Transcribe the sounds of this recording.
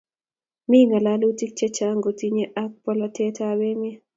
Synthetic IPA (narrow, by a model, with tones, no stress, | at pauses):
mi˦ŋa˨la˦lu˦ti˦k̚t͡ʃɛ˦t͡ʃa˦ŋɡo˨ti˦ɲe˦ʔa˦k̚pɔ˦lɔ˦tɛ˦ta˦we˦mɪ˦ɛ˦